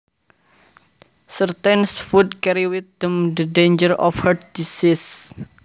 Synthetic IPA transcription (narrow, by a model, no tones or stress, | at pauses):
sərt̪ɛnsfud̪kɛɾiwɪt̪̚d̪̥əmd̪ədeɲd͡ʒəɾɔ̰fhəd̪̚disɪs